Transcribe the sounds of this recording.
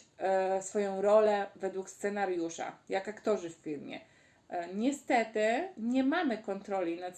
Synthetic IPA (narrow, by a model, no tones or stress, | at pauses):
sfɔjɔ̃w̃ɾɔlɛvɛd̪wukst̪sɛnaɾjuʂa̰jakakt̪ɔʐɘffʲiɾmʲjɛ̰ | ɲɛst̪ɛt̪ɘɲɛmamɘkɔnt̪ɾɔlʲinat̪